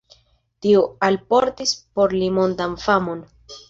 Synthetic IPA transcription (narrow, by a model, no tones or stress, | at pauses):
tioalpo̞ɾtispo̞ɾlimondanfamo̞n